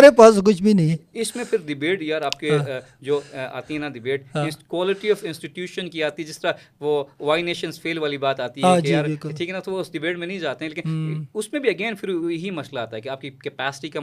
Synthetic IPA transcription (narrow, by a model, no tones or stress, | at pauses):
ɾepaːsk̬ʊt͡ʃʰbʱinɐɦĩɪsmẽfʰɪɾɖɪbeːʈjaːɾaːp̚ked͡ʒoːa̰ːt̪iɦɛ̃naɖɪbeːʈɪ̃kwaːlɪʈiɔːfɪ̃nsʈɪʈjuːʃənkiaːt̪iɦɛd͡ʒɪst̪əɾa | ʋoʋaːɪneːʃə̃nsfʰeːlʋaːlibaːt̪aːt̪iɦãd͡ʒejaːɾɪlkʊʈʰiːkɦɛnɐt̪oʋoɪsɖɪbeːʈmẽnɐɦĩd͡ʒaːt̪eɦɛ̃leːkɪnʊsmẽbʱiɐɡeːnfʰɪɾjɐɦimɐslaːt̪aɦɛkeaːp̚kikɛpɛːsɪ̥ʈika